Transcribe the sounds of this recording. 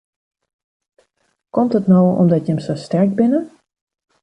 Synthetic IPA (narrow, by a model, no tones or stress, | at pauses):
kɔmtətnowɔ̰mdɔtjɛmsəstɛrk̚bɪnə